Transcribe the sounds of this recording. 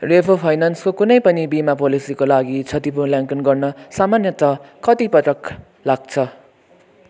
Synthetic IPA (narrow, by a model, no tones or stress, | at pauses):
repʰopʰajnanskokunʌjpʌnibimapolisikolaɡit͡sʰʌt̪ipulaŋkʌnɡʌrnʌsamanjʌt̪ʌkʌt̪ipʌt̪ɾʌk | laɡ̚t͡sʰʌ